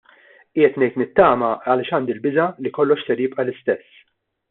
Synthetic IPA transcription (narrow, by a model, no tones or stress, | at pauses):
ɪːjɛt̪nɛjt̪nɪt̪ːɐːmɐɐlɪːʃɐːnd̪ilbɪzɐlikɔlːɔʃsɛɾjɪpʼʔɐlɪst̪ɛsː